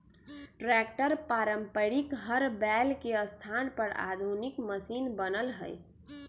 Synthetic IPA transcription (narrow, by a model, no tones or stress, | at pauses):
ʈɾɛk̚ʈəɾpaɾəmpəɾikɦəɾbɛlkeəst̪ʰanpəɾa̰d̪ʱunikməsinbənəlɦə̰j